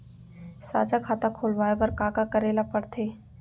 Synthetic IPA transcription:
sa̰ːd͡ʒakʰaːt̪ãkʰoːlʋaːebɐɾkaːkakəɾeːlapəɽt̪ʰeː

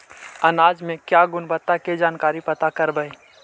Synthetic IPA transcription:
ɐnaːd͡ʒmẽkjaɡʊnbət̪ːaked͡ʒaːnkaːɾipɐt̪akɐɾbəe

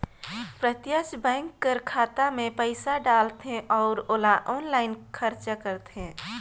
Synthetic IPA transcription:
pɾət̪jət͡ʃbɛ̃ːŋkːəɾkʰaːt̪amẽpəɪsaɖaːlt̪ɦẽʔɔːɾoːlaʔɔːnlaːɪnkʰəɾt͡ʃakəɾt̪ɦẽː

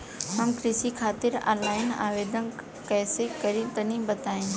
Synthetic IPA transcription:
ɦɐmkɾɪsikʰaːt̪ɪɾa̰ːlaːɪna̰ːʋeːd̪ʱən | kɛːsekɐɾĩt̪ɐnĩbɐt̪aːĩː

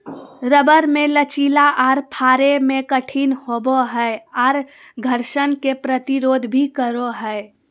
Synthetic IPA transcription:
ɾəbəɾmẽlət͡ʃiːlaʔɔːɾpʰaːɾemẽkəʈʰiːnhoboɦəeɔːɾ | ɡʱəɾʃənkepɾət̪iɾoːd̪ʱbʱikəɾoɦəe

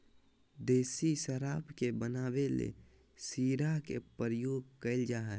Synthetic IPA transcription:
d̪eːsisəɾaːbkebənaːwelḛ | siːɾakḛpəɾəjoːɡkəɪld͡ʒaːɦɛ

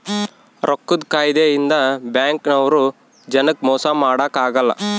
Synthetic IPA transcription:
ɾʔokːud̪kaːjd̪ejind̪ɐbjaːŋknɐʋɐɾu | d͡ʒɐnɐkmɔːsamaːɽakaːɡɐlːɐ̰

